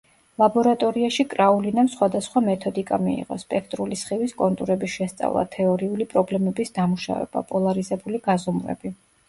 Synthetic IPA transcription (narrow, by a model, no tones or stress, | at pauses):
lˠabɔɾat̪ʼɔɾiaʃikʼɾaulinamsχwad̪asχwamɛt̪ʰɔd̪ikʼamḭḭʁɔ̰spʼɛkʰt̪ʼɾulisχiviskʼɔnt̪ʼuɾɛbiʃɛst̪sʼa̰vlˠa̰t̪ʰɛɔɾiulipʼɾɔblɛmɛbisd̪amuʃa̰vɛ̰b̥a̰pʼɔlˠaɾizɛbuliɡazɔmɾɛ̰bi